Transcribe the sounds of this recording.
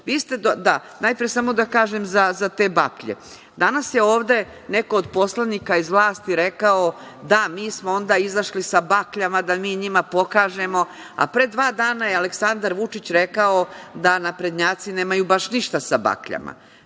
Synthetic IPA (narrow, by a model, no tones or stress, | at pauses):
ʋiːst̪e̞d̪d̪a | najpɾijesamo̞d̪akaːʒemzazat̪e̞ːbakʎḛ | d̪anasjeo̞ːʋd̪e̞ | ne̞ko̞od̪po̞slˠanikaizʋlˠaːst̪iɾe̞kao | d̪amiːsmoo̞nd̪aːizaʃlisabakʎamad̪amiːɲimapo̞kaːʒemo̞ | a̰pɾe̞d̪ʋaːd̪aːnajealeksand̪aɾʋut͡ʂit͡ɕɾe̞kaod̪anapɾed̪ɲaːt̪sineːmajubaʃniʃt̪asaba̰kʎa̰ma̰